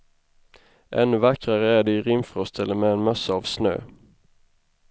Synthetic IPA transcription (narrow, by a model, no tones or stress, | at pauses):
ʔɛ̰nːɵvakɾaɾəæɖɛːɾɪmfɾɔst̪ʰɛləmɛːnmœsːaːvsnø̰ː